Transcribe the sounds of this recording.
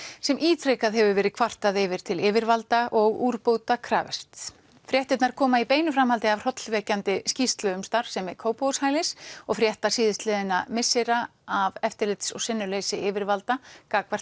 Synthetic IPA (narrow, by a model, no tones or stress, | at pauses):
sɛmʔiːt̪ʰɾejkaðɦɛvʏvɛːɾɪðkʰvar̥t̪aðɪvɪɾ̥t̪ʰɪlɪːvɪɾvalt̪aʔɔɣuːɾpoːwt̪akʰɾa̰ːvɛ̰r̥t̪ | fɾjɛht̪ɪt̪naɾ̥kʰɔːmaipeːjnʏfɾamhalt̪ɪavr̥ɔt̪lvɛːcant̪ɪscist̪lœʏmst̪aɾ̥sɛmɛkʰoːwpowshaːjlɪsɔɣfɾjɛht̪asiːðɪst̪lɪːðɪnamɪsɪɾaavɛft̪ɪɾlɪt̪sɔ̰ɣsɪnːʏlejsɪʔɪːvɪɾvalt̪akaːkvar̥t̪